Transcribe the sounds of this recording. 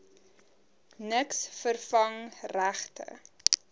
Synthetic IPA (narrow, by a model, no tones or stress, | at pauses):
nəksfərfɐŋræχtʰə̰